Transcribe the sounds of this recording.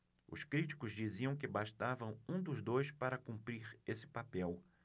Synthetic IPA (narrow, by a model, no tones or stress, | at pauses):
ʊ̰skɾit͡ʃi̥kʊzd͡ʒiziɐ̃w̃k̬ɪbaʃt̪avɐ̃w̃ũd̪ʊzd̪ojspaɾɐkũpɾiɾesɪ̥papɛw